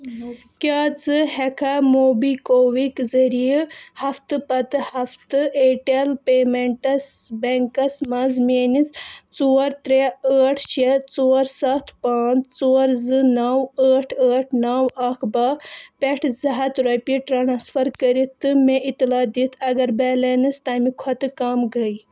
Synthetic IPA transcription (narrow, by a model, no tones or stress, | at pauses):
kʲaːt͡sɨhekʰamoːbikoːwikzɐɾijhɐft̪ɨpɐt̪ɨhɐft̪ɨeːʈelpeːmeɳʈɐsbeŋkɐsmɐzmeːnist͡soːɐɾt̪ɾeəːʈʰt͡ʃʰet͡soːɾsɐt̪ʰpaːt͡st͡soːɾzɨnɐwəːʈʰəːʈʰnɐwɐkʰbapʲeʈʰzɐɦɐt̪ɾɐpiʈɾaːnaːsfʰɐɾkɐɾit̪ːɨmeʔit̪ːilaːd̪it̪ʰɐɡɐɾbɛːlenɨst̪aːmikʰɔt̪ɨkɐmɡɐj